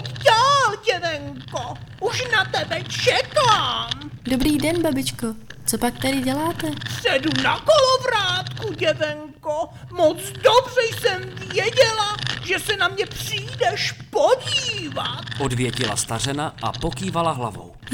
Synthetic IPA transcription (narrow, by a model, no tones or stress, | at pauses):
daːlɟɛvɛŋkoʔuʃnat̪ɛbɛt͡ʃɛkaːmdobɾiːdɛnbabɪt͡ʃkot͡sopak̚t̪adɪɟɛlaːt̪ɛsɛdunakolovɾaːt̪kuɟɛvɛŋko | mot͡sdobrɛjsɛmvjɛɟɛlaʒɛsɛnamɲɛpr̥iːdɛʃpoɟiːvat̪ʔo̞dvjɛcɪla̰st̪ar̝ɛnaʔapokiːvalaɦla̰vo̰w